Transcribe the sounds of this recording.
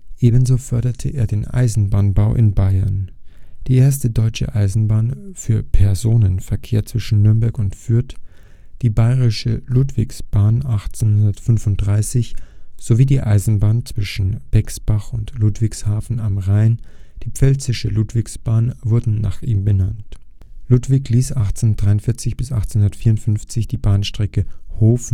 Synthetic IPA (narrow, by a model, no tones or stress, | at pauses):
ʔeːbən̩zoːfœɐɾɐtʰəʔḛːɐdeːnʔa̰ɪzn̩baːnbaʊʔɪ̰nbaɪɐnd̥iːʔeːɐstədɔʏt͡ʃə̰ʔaɪzn̩baːnfyːɐpʰɛɐzoːnənfɛɐkʰeːɐt͡sv̥ɪʃn̩nʏɐmbɛɐkʊntfyːɐt | d̥iːbaɪʁɪʃəluːtv̥ɪ̰ksb̥aːnʔaχt͡senhʊndɐtfʏnvʊnt̚d̥ʁaɪsɪçz̥oviːdiːʔaɪzn̩baːnt͡sv̥ɪʃn̩b̥ɛksb̥aχʊntluːtv̥ɪkshaːfn̩amʁaɪnd̥iːpp͡fɛlt͡sɪʃəluːtv̥ɪksb̥aːnvʊɐdn̩na̰ːχʔiːmbənant | lutv̥ɪçliːsʔaχt͡send̥ʁaɪʊntfɪɐt͡sɪçb̥ɪsʔa̰χtt͡senhʊndɐtfiːɐʊntfʏnft͡sɪçd̥iːbaːnʃtʁ̥ɛkəhoːf̩